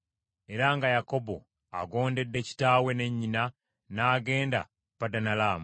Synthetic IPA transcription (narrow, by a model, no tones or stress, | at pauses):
e̞ɾaŋɡajako̞bo̰ | a̰ɡo̞ːnde̞dːe̞ci̥taːwe̞ne̞ɲːina | naːɡe̞ːnda̰ | padanalaːmu